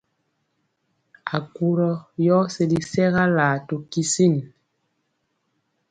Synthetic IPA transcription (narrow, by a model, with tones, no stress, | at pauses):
a˨ku˨ɾɔ˦jɔː˦se˨li˨sɛ˦ɣa˦laː˨to˨ki˦si˦˨n